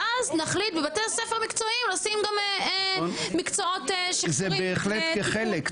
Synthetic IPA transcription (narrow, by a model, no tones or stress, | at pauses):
ʔaznaχlit̪bebat̪esefeʁmikt͡soimlosimɡame | mikt͡soot̪eʃizeibeːχlet̪keχelek